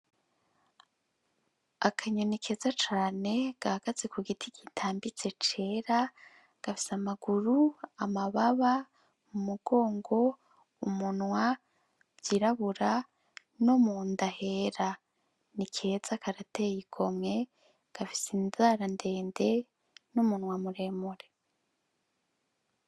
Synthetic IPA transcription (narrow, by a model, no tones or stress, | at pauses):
akʰaɲonikʰe̞ːzat͡ʃaːne̞ɡ̥ahaɡ̥aze̞kuɡitʰiɡitʰaːmbit͡se̞t͡ʃe̞ːɾa | ɡ̥afi̥samaɡ̥uɾuamaβaβa | mumuɡ̥o̞ːŋɡo̞ | umunwa | b̥jiɾaβuɾa | nomuːndahe̞ɾa | nikʰe̞z̥akaɾate̞jiɡʰo̞mŋe̞ | ɡ̥afi̥sinzaːɾande̞ːnde̞ | numunwamuɾe̞ːmuɾe̞